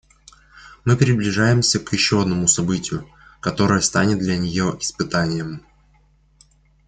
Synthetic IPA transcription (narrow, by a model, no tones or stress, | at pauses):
mɨpɾʲɪblʲɪʐajɪmsʲəkjɪɕːoɐd̪nəmʊsɐbɨtʲɪjʊ | kɐt̪o̞ɾəjəst̪anʲɪt̪̚d̪lʲənʲɪjo̞ʔɪspɨt̪anʲɪjəm